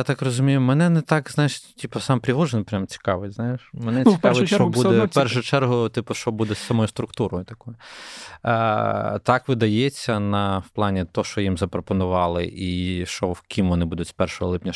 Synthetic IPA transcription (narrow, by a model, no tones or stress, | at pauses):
jat̪ɑkrɔzʊmʲijʊmɛnɛnɛt̪ɑkznɑjɪʂʲtʲipɔsɑmpɾʲɪɦɔʒenpɾʲamt͡sʲi̥kɑʋɪtʲznɑjɪʃmɛnɛikɑʋeʃt͡ʃɔbud̪ɛpɛrʃʊʊt͡ʃɛrɦʊt̪ipɔʃt͡ʃɔbud̪ɛsːɐmɔjʊst̪ɾʊkt̪uɾɔjʊt̪ɐkɔjʊ | t̪ɑkʋɪd̪ɐjet͡sʲːɐnɐwplˠɑnʲit̪ɔʃt͡ʃɔjimzɐpɾɔpɔnʊʋɑlˠɪ̰ʔiʃt͡ʃɔwkʲimʋɔnɪbud̪ʊtʲspɛrʃɔɦɔ̰lˠɪpnʲɐ